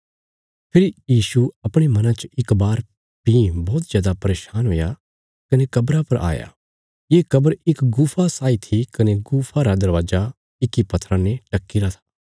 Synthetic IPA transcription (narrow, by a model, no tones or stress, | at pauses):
pʰɪɾijiːsuɐpɽ̃emɐ̃nãt͡ʃɪkbaːɾ | pĩbɔːt̪zjaːd̪apɐɾeːʃaːnɦoːja | kɐnekɐbɾapɐɾʔa̰ːja̰ | jeːkɐbəɾɪkɡuːpʰasaːit̪ʰikɐneɡuːpʰaɾad̪ɐɾʋaːd͡ʒa | ɪkipɐt̪ʰɾãneʈɐkːiɾat̪ʰḁː